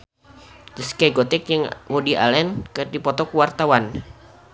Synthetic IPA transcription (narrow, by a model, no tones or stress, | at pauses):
diskaɡot̪ɛk̚jəŋwodiʔa̰lɛnkərdipɔt̪ɔkuwart̪awan